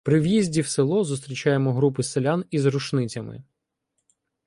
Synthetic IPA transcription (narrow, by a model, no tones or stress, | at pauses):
pɾɪʋjizʲdʲiwselˠɔzʊst̪ɾʲit͡ʃɑjemɔɦɾup̬ɪselʲanizɾʊʃnɪt͡sʲɐmɪ̰